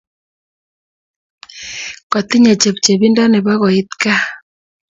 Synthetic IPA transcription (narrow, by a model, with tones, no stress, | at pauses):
kɔ˨t̪i˦ɲe˨t͡ʃe˨p̚t͡ʃe˨βi˦nda˦ne˨βa˦ɣɔ˨i˦t̪ka˦